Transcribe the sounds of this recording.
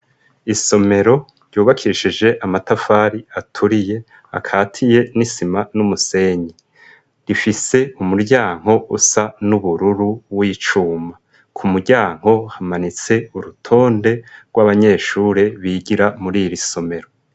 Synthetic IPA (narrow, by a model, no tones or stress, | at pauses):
iso̞me̞ɾo̞ | ɾjuːβakʰiʃid͡ʒe̞ʔamatafaːɾiatʰuɾije̞ | a̰kʰaːtʰije̞nisimanumuse̞ːɲi | ɾifise̞umuɾɟaːŋ̥ɦo̞ʔṵsanuβuɾuɾuwiːt͡ʃuːma | kʰumuɾɟaːŋ̥o̞hamanit͡se̞uɾutʰo̞ːnde̞ɾɡwaβaɲe̞ːʃuːɾeβiːɟiɾamuɾiɾiso̞me̞ɾo̞